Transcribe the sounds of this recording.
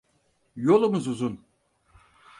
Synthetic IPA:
jolˠumuzuzun

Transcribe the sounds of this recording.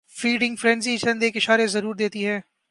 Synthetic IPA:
fiːɖɪ̃ŋɡfɾɛ̃ːnzit͡ʃɐ̃nd̪eːkɪʃaːɾezɐɾuːɾd̪eːt̪iɦɛː

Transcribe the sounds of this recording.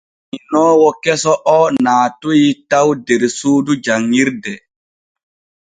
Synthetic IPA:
minɔːwɔkɛsɔʔɔnaːtujitawdeɾsuːdud͡ʒaŋːiɾdɛ

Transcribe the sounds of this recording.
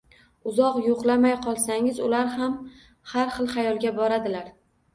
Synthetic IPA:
ʊzɒqjoqlˠamajqʰɒlˠsaŋɪzʊlaɾham | haɾχɨlˠχajɒlˠɡʲabɒɾad̪ɪlaɾ

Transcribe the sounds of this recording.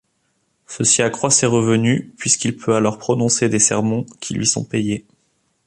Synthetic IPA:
səsiakχwaseʁəvənypɥiskilpʰøalɔʁpχɔnɔ̃sed̪esɛʁmɑ̃kʲʰilɥʔḭsɔ̰̃peje

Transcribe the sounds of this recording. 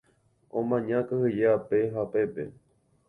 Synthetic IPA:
õmãɲãkɨhɨjeapeɦape̞pḛ

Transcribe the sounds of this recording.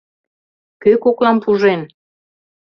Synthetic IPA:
køkoklɑmpuʒen

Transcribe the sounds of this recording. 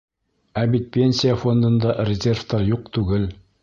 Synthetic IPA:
æbit̪̚pʲenʲsʲijəfo̞nd̪ɤ̆nd̪ɑrʲɪzʲerft̪ɑɾjuq̚t̪ʉɡɘl

